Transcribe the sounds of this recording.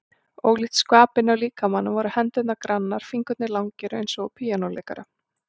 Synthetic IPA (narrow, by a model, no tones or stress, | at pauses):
oːwɣlɪht̪skvaːpɪnːɪawliːkamanːʏvaɾʏhɛnt̪ɛt̪nakɾanːaɾ̥fiŋkʏt̪nɪlawŋcɛɾʏejnsɔɣpʰiːjanowlḛjka̰ɾa